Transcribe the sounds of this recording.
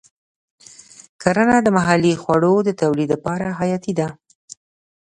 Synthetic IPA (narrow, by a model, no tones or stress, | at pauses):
kaɾanad̪əmaɦalixwaɽod̪ət̪awlid̪lapɑɾaɦajɑt̪id̪a